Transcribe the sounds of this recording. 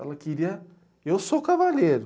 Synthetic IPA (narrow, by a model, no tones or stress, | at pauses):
ɛ̰lɐkiɾiɐ | ewsokavaʎeɾʊ